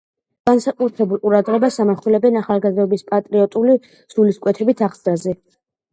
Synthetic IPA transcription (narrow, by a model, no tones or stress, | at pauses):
ɡ̥ansakʼut̪ʰɛbulˠqʼuɾad̪ʁɛbasamaχulɛbɛnaχalˠɡazd̪ɔbispʼat̪ʼɾiɔt̪ʼuli | suliskʼwɛt̪ʰɛbit̪ʰaʁzɾazɛ